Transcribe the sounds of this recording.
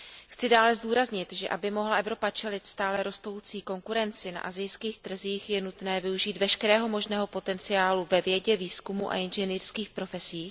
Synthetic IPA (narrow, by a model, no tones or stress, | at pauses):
xt͡sɪdaːlɛzduːɾazɲɪt̪ʒɛ̰ʔabɪmo̞ɦlaʔɛvɾo̞pat͡ʃɛlɪt̪st̪aːlɛɾo̞st̪o̞wt͡siːko̞ŋkuɾɛnt͡sɪna̰ʔazɪjskiːxt̪r̩ziːxjɛnut̪nɛːvɪuʒiːd̪vɛʃkɛɾɛːɦo̞mo̞ʒnɛːɦo̞po̞t̪ɛnt͡sɪjaːluvɛvjɛɟɛviːskumṵʔa̰ʔɪnʒɛniːrskiːxpɾo̞fɛsiː